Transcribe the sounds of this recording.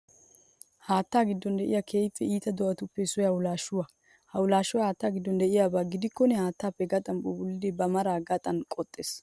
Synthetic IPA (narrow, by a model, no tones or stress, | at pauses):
haːt̪ːaːɡɪd̪ːɔnd̪ɛʔɪ̰jakʰeːjpːɛiːt̪ɐd̪ɔʔɐt̪ʊpːɛsʊjɐwʊlaːʃʊwɐ | hɐwʊlaːʃʊwɐhaːt̪ːaːɡɪd̪ːɔnd̪ɛʔɪjaːbaːɡɪd̪ɪkːɔnɛhaːt̪ːaːpːɛɡɐt̪ʼɐnbɔbʊlːɪd̪ɛbɐmɐɾaːɡɐt̪ʼɐnkʼɔt̪ʼːeːs